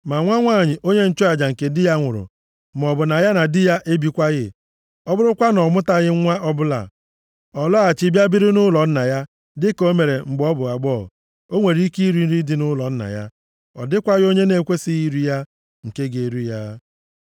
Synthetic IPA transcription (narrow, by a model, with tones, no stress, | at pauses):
ma˨ŋʷa˦ŋʷa˦˨ɲɪ˨ʔo˦ɲe˦n̩˦t͡ʃo˦a˨d͡ʒa˨ŋ̩˨ke˨dɪ˦ja˦ŋʷʊ˨ɾʊ̰˨ | m˨ɔ˨bʊ˨na˨ja˦na˨dɪ˦ja˦ʔe˦bi˨kʷa˦ɣɪ˦ | ɔ˦bʊ˦ɾʊ˦kʷa˦nɔ˨mʊ˦ta˦ɣɪ˦ŋʷa˦ʔɔ˦bʊ˦la̰˨ | ɔ˨lɔ˦a˨t͡ʃi˦bja˦bi˦ɾɪ˦nʊ˦lɔ˨n̩˦na˨ja˦ | dɪ˦ko˦me˨ɾe˨ŋ͡m̩˨ɡ͡bɔ˦bʊ˨a˨ɡ͡bɔː˦˨ | o˦ŋʷe˨ɾi˦ki˦i˦ɾi˦n̩˦ɾi˦dɪ˦nʊ˦lɔ˨n̩˦na̰˨ja̰˦ | ɔ̰˨dɪ˦kʷa˦ɣɪ˦o˦ɲe˦ne˦kʷe˦sɪ˦i˦ɾi˦ja˦ | ŋ̩˨ke˦ɡe˨ɾu˦ja˦